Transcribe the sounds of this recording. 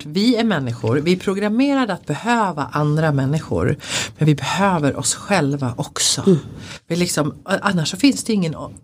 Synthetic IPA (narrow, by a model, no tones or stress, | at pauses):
vɪæɾmɛnːɪɧʊ̰ɾvɪɛpʰɾʊɡɾameːɾad̪əat̪̚bɛhøːvaʔand̪ɾamɛnːɪɧʊ̰ɾmɛnvɪbɛhøːvəɾʔɔ̰sɧɛlvaʔɔksɔ̰vɪlɪksɔmʔanːaʂːɔfɪnsd̪ɛɪŋːən